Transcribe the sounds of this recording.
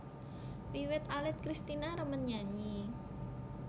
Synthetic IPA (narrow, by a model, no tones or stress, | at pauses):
wiwɪt̪alɪt̪̚kɾist̪inaɾəmənɲaɲi